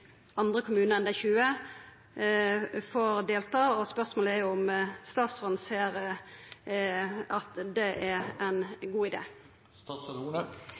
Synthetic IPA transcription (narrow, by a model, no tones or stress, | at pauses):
ɑnd̪ʁəkʰʊmʉːnəʁɛnd̪ɛɪçʉːə | foːɾd̪eːlt̪ɑːɔspœʁsmoːləɛjʊʊmst̪ɑːt̪sɔnn̩seːɾ | ɑt̪d̪ɛʔæɛnɡuːɪd̪ḛː | st̪ɑsɔd̪uːnə